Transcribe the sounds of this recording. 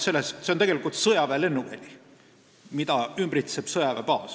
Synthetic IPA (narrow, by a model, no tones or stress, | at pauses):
se̞lːessent̪eɡelikːˑult̪sɤjɑvele̞nːuvæ̰lʲi | mid̪̥ɑymbrit̪seb̥sɤjɑvepɑːs